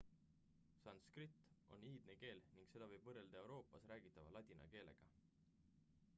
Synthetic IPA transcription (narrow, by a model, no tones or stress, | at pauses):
sɑnskrit̪ːʔo̰niːd̪̥neke̞ːlniŋɡ̥se̞d̪̥ɑvɤjb̥vɤreld̪ɑe̞wɾo̞ːpːˑɑsræːɡ̥it̪ːˑɑvɑlɑt̪ʲinɑ̰ke̞ːle̞̰ɡ̥ɑ